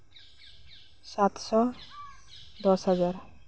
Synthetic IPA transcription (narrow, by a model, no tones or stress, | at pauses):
sat̪ʃɔ | d̪ɔʃɦad͡ʑaɾ